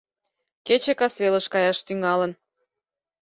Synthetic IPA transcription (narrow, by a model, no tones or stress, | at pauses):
ket͡ɕekɑsβelə̆ʃkɑjɑʃt̪yŋɑlən